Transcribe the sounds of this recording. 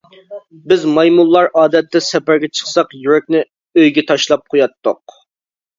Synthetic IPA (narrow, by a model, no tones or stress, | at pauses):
bɪzmɑjmulˠːɑɾɑːd̪ɛt̪ːɛsɛpæɾɡʲɛt͡ʃʰə̥χsɑqjyɾɛk̚ʲnɪ | øjɡʲɛt̪ʰɑʃlˠɑp̚qʰojɑt̪ːʊq̚